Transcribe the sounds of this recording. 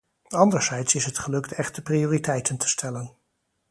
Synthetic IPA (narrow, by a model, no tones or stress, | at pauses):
ɑndəɹz̥ɛjtsɪsɦətχəlɵktɛχtəprioːritɛjtəntʰə̥stʰɛlən